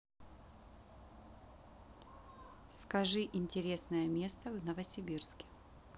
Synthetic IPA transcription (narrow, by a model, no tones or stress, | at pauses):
skɐʐɨʔɪnʲtʲɪɾʲe̞snəjəmʲe̞st̪əvnəvəsʲɪbʲirskʲɪ̥